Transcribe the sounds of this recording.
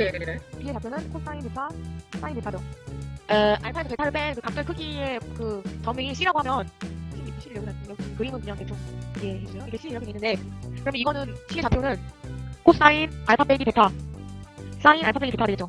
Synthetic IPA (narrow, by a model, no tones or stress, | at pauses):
neneenepiet͡ɕapʰjonɯnkʰosʰs͈ainpetʰas͈ainpetʰado | ʔaɭpʰaeʌpetʰaɾɯp͈enkɯkak̚t͈ɯɭkʰɯɡiekɯt͡ɕʌmeŋiɕ͈iɾɦaɡoɦamjʌnɕ͈ʰiikoɕ͈ʰiɾɯɭjoɡɯnajoɯkɯimɯnumjʌŋket͡ɕʰok̚iɡehed͡ʑioikʰeɕ͈ʰiɾɯiɾʌkeenːɯnde̞kɯɾʌmjʌiɡʌnɯnɕʰie̞t͡ɕapʰjonɯnkʰosʰs͈ainaɭpʰap͈eɡipe̞tʰa | s͈aina̰ɭpʰapeɡipetʰadeɡett͡ɕo